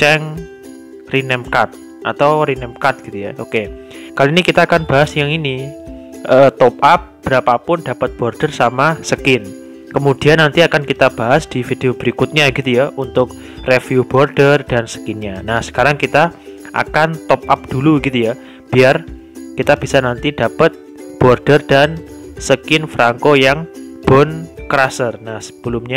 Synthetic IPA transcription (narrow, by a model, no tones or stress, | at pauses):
t͡ʃɛŋ | rinɛmkat̪̚ | ʔat̪awɾinɛmkat̪̚ɡ̥it̪ujaʔoke | kaloinikit̪aːkanb̥aɦasjaŋini | ʔəːt̪ɔpʔap̚b̥əɾapapʊndapat̪̚b̥ɔrd̥ərsamasəkɪn | kəmud̥ianːant̪iakankit̪ab̥aɦasd̪̥ifid̥eob̥əɾikʊt̪̚ɲaɡit̪ujaʔunt̪ʊk̚ | refjub̥ɔrd̥ərd̥ansə̥kɪnɲanahsə̥kaɾaŋkit̪a | ʔa̰kant̪ɔp̚ʔap̚d̥uluɡit̪uja | b̥iar | kit̪ab̥isanant̪idapət̪̚ | b̥ɔrd̥ərd̥ansəkɪnfɾaŋkojaŋb̥ɔnkəɾasərnahsə̥b̥əlʊmɲa